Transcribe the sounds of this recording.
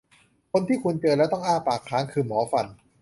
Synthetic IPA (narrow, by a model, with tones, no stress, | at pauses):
kʰo˧nt̪ʰiː˥˩kʰu˧nt͡ɕɤː˧nlɛː˦˥wt̪ɔ˥˩ŋʔaː˥˩paː˨˩kʰːaː˦˥ŋkʰɯː˧mɔː˩˦fa˧n